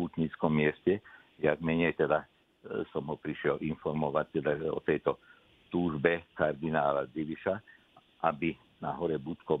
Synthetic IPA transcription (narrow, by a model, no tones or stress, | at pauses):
ut̪ɲit͡skɔmːɪɛscɛ | jaɡ̚mɛɲɛjt̪ɛd̪a | sɔmɦɔpɾiʃɪɛlʔinfɔɾmɔʋac̚t̪ɛd̪aɔ̰t̪ɛjt̪ɔ | t̪uːʒbɛkaɾd̪inaːlad͡ziʋiʃa | ʔabi | naɦɔɾɛbut̪kɔ